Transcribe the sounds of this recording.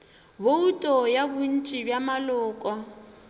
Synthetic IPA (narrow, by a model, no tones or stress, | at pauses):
boutʼɔjabun̩t͡ʃʼibjamalɔːkʼwa